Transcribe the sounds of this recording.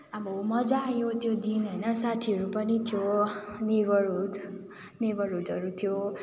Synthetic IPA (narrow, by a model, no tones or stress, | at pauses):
abʌmʌd͡zajot̪jod̪inɦʌjnʌsat̪ʰiʌɾupʌnit̪ʰjoneɡʌɾud̪ | neɡʌɾud̪ʱʌɾut̪ʰijo